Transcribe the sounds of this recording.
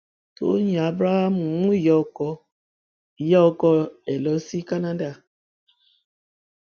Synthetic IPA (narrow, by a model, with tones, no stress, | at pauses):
to̰˨˦ɲ˨a˨a˦bɾa˦ha˦m˨˦ŋu˦˨jɔ˦kɔ˦˨ | jɔ˦kɔ˦ɛ˨lɔ˦si˦ka˦na˦da˦˨